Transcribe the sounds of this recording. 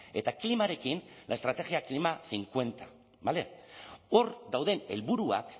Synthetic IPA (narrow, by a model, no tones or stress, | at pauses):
e̞t̪aklimaɾe̞kinlaest̪ɾat̪e̞ɣiaklimaθiŋkwe̞nt̪a | bale̞o̞ɾd̪awðe̞ne̞̰lβuɾua̰k